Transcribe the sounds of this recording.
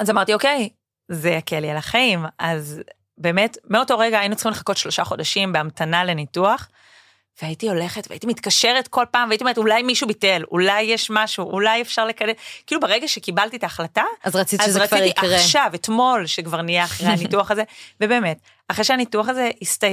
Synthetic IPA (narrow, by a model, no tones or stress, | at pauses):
azamaʁtioke̞j | zeakʰelialaχaimaz | be̞ːme̞tmeo̞to̞ʁeɡaːjinut͡sχimleχako̞tʃlo̞ʃaχo̞daʃimbeamtʰanalenituaχ | veaitio̞le̞χetvḛa̰itimitkaʃe̞ʁetko̞lpaːmveaitiometulajmiʃubite̞lʔṵlajːeʃmaʃuʔulajefʃaʁle̞kadekiːlubeʁeɡaʃekibaltitaːχlataazʁat͡sizʃʁat͡siiʔkʔaʃavetmo̞lʃekvaʁnijeaχʁeanituaχaze̞vebe̞ːmet | aχʁeʃeanituaχazeista